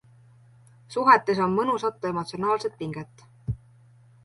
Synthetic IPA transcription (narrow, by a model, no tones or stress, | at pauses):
suɦet̪ːˑes̬o̞nmɤnusɑt̪ːˑue̞mo̞t̪sionɑːlse̞t̪̚piŋɡ̥et̪ːˑ